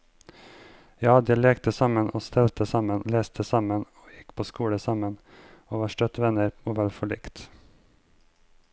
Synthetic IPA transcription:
jɑːd̪ɛleːkt̪əsɑmənʔoːst̪ʰɛlt̪əsɑmənleːst̪ʰəsɑmənoːjɪkːpʰoːskuːɽəsɑmən | oːʋɑːʂʈœt̪ʋɛnəɾoːʋɛlfɔɭɪkt̪

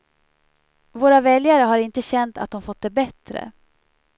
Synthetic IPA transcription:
voːɾavɛljaɾəɦaɾɪnt̪əɕɛnt̪a̰t̪̚d̪ɔmfɔt̪̚ːd̪ɛbɛt̪ɾə̰

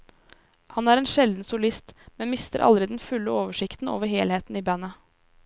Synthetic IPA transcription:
hɑnæːɾeːnʃɛld̪n̩sʊlɪst̪mɛnmɪst̪ə̰ɾʔɑ̰ld̪ɾɪd̪ɛnfʉlːəoːʋəʂɪkt̪n̩o̰ːʋəɾheːlheːt̪n̩iːbænɑ

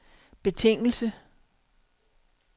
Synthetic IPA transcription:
b̥e̝t͡sʰe̝ŋ̰l̩sə

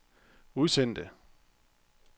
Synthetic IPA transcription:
uðˠsen̰d̥ə

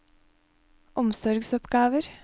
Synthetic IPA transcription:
ʔɔmsɔɾɡsɔpɡɑːʋəɾ

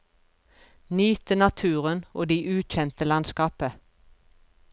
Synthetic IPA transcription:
nyːt̪ənɑt̪ʰʉːʁənoːd̪iːʔʉːc͡çɛnt̪əlɑnskɑːpə

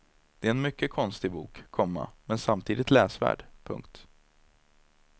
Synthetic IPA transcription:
d̪̥ɛɛɛnmʏkːəkʰɔnst̪ɪbuːkʰːɔmːa̰mɛnsamt̪ʰiːd̪ɪt̪lɛːsvæ̰ːɖpʰɵ̰ŋk̚t̪

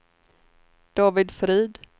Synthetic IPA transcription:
d̪̥ɑːvɪd̪fɾiːd̪

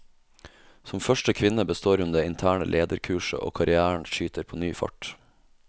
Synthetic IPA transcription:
sɔmfœʃʈəkʰʋɪnəbəst̪oːɾʉnd̪eːɪnt̪ʰæːɳə̰lʔeːd̪əɾkʰʉːʂə̰ʔo̰ːkʰɑɾɪæːɳ̩ʃyːt̪əɾpʰoːnyːfɔ̰ʈ

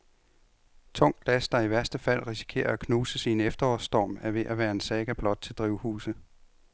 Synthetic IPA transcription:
t͡sʰɔ̽ŋ̰ɡ̥læsd̥ɑ̈iʋæɐsd̥əfæl̰ʁisi̥kʰe̝̰ːɐækʰnuːsəsiːnefd̥ɐɒsd̥ɒ̰ːmæɐʋe̝ʔæʋæːɐe̝nsɛːɡ̥æb̥lɒ̽d̥̚t͡sʰe̝ld̥ʁiʊ̰hṵːsə

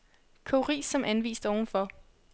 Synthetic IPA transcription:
kʰoʁḭːsɒ̽mʔænʋḭːsd̥ɒʊn̩fɒ̽

